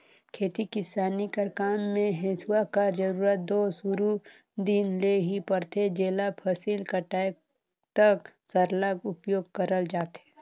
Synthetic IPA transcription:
kʰeːt̪ikɪsaːnikəkaːmːẽɦɪswakad͡ʒəɾuːɾət̪̚d̪oːsuɾu | d̪ɪnleɦipəɾt̪ʰed͡ʒeːlapʰəsiːlkəʈaːj | t̪əksəɾləɡʊpjoːɡ̚kəɾəld͡ʒaːt̪ɦeː

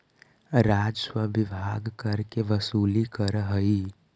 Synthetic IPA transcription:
ɾaːd͡ʒswəʋɪbʱaɡkəɾkeʋəsuːlikəɾɦəi

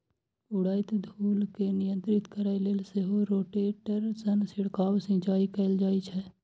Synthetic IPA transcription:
ʊɽaːɪt̪d̪ʱuːlkenɪjə̃nt̪ɾɪt̪kəɾaeleːlseɦoɾoːʈeʈəɾsənsɪɽkaːwsɪ̃t͡ʃaːikɛːld͡ʒaːit͡ʃʰɛː

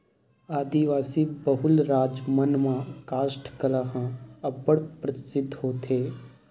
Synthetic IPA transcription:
aːd̪iʋaːsibəɦʊlɾaːd͡ʒmənmãːkaːsʈkəlaɦãɐbəɽpɾət̪ɪ̥sɪd̪ʱɦoːt̪ʰeː

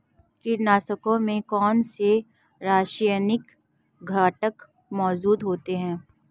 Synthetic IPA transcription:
kɪɾnaːsəkõmẽkɔːnse | ɾaːʃanɪk | ɡʱaːʈək | mɔːd͡ʒuːd̪ɦoːt̪eɦɛ̃ː

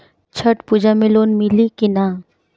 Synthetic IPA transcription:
t͡ʃʰəʈpuːd͡ʒamɪ̃loːnmɪlikina

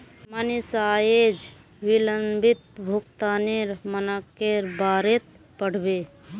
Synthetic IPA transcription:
manisajed͡ʒ | biləmbʱit̪̚bʱukt̪aneɾmənəkːeɾbaɾet̪̚ | pəɽ̤be

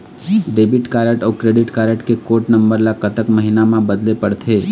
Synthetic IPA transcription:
ɖeːbɪʈkaːɾəʈɔːkɾeːɖɪʈkaːɾəʈkekoːʈnɐ̃mbəɾlakət̪əkmɐɦinamãbɐd̪lepɐɽt̪ʰeː

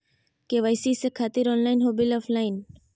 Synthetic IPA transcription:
keːʋajsiːsekʰaːt̪iɾoːnlaːinɦoːbiloːflaːɪn

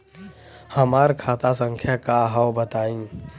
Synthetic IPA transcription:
həmaːɾkʰaːt̪asə̃ŋkʰjakaɦawbət̪aːĩ

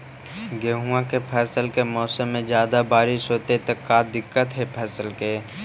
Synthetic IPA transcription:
ɡeːɦuãkepʰɛːsəlkemɔːsəmːẽd͡ʒjaːd̪abaːɾɪʃɦoːt̪et̪ekaːd̪ɪkːət̪ɦɛpʰɛːsəlke

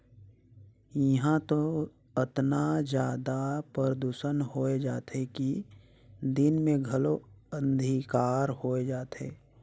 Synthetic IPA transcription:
jiɦãt̪o | ət̪nad͡ʒjaːd̪apəɾəd̪uːʃənɦoːed͡ʒaːt̪ɦeki | d̪ɪnmẽɡʱəlo | ə̃nd̪ʱikaːɾhoːed͡ʒaːt̪ḛː

